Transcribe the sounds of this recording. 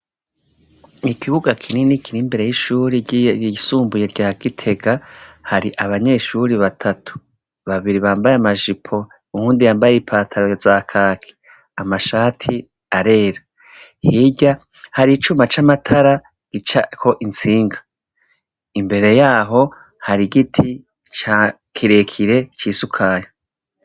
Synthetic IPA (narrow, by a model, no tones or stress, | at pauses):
ikʰiβuɡakʰininikʰiɾimbe̞ɾe̞jiʃuːɾiɟisuːmbuje̞ɾɟaːɡ̥itʰe̞ɡahaɾiʔaβaɲe̞ːʃuɾiβatʰatʰu̥ | βaβiɾiβaːmbajeamaʒipʰo̞ | uhuːndijaːmbajeipʰaːtʰaɾozaːkʰaːkʰi̥ | amaʃaːtʰi | aɾe̞ːɾa | hiɟahaɾit͡ʃumat͡ʃamatʰaɾa | ɡ̥it͡ʃakʰo̞ʔint͡siːŋɡḁ | imbe̞ɾe̞jaːɦo̞ | haɾiɡitʰi | t͡ʃa | kʰiɾe̞kʰiɾe̞t͡ʃiːsukʰaːjo